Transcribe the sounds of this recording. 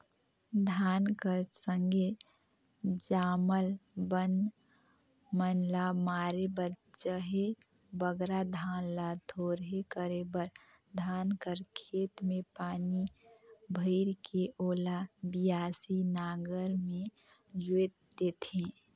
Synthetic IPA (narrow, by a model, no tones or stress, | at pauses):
d̪ʱaːnkəɾsə̃ŋɡe | d͡ʒaːməlbən | mənlamaːɾebəɾt͡ʃəɦe | bəɡɾad̪ʱaːnlat̪ʰoɾɦekəɾebəɾ | d̪ʱaːnkəɾkʰeːt̪mẽpaːnibʱəɪɾkeʔoːlabijaːsinaːɡəɾmẽ | d͡ʒwet̪ | d̪et̪ʰẽ